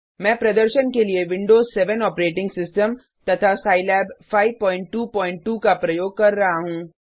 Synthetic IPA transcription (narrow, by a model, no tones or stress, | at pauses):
mɛ̃ːpɾɐd̪əɾʃənkelieʋɪ̃ɳɖoːzsɛʋənɔːpɾeːʈɪ̃ŋɡsɪsʈəm | t̪ɐt̪ʰasaːɪlɛːbfaːɪʋpɔ̃ːɪ̃ɳʈːuːpɔ̃ːɪ̃ɳʈʈuːkapɾɐjoːɡ̚kɐɾːɐɦaɦũː